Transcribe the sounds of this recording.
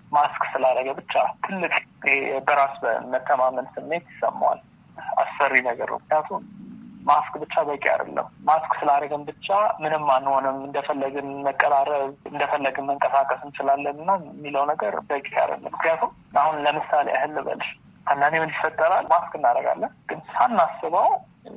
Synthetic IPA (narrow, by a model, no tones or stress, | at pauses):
maskʼsɨlaɾəɡəbɨt͡ʃːat̪ʰɨlːɨkʼjebəɾasbə̰mət̪ʰːəmamənsɨmːe̞t̪jɪsːə̰mːawa̰l | a̰sːərːinəɡə̰ɾnə̰wmɨknijat̪ʰummaskʼbɨt͡ʃːabəkʼija̰d̪ə̰lːə̰mmaskʼsɨlaɾəɡəmbɨt͡ʃːamɨnɨmːanːho̞nɨmɨnd̪əfəlːəɡɨmməkʼːəlaɾəβɨnd̪əfəlːəɡɨnməŋkʼəsakʼəsɨnt͡ʃɪlalːənɨnːamːiləwnəɡəɾbəkʼija̰d̪ə̰lːə̰mmːɨknijat̪ʰum | ahunləmɨsalḛʔa̰hɨlːɨbə̰lʃ | and̪animɨnd̪ifət̪ʼːəɾalmaskʼɨnːaɾəɡa̰lːənɡ̥ɨnsanːasːɨβaw